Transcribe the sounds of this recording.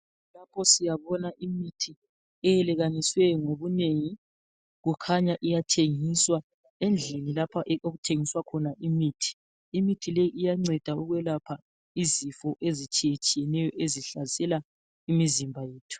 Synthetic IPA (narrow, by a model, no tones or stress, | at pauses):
lapʰɔsijaβɔnaʔimitʰi | ɛjɛlɛɣaniswɛŋoβuneŋi | ɣukʰaɲaʔijatʰeŋiswa | end͡ɮʱinilapʰaʔoɣutʰeŋiswakʰɔnaʔimiːtʰi̥ | imitʰilejiʔijaŋ͡ǀɛd̥ʱauɣwɛlapʰa | izifɔʔezit͡ʃʼijet͡ʃʼijɛnɛjɔʔeziɬazɛla | imizimbʱajeːtʰu̥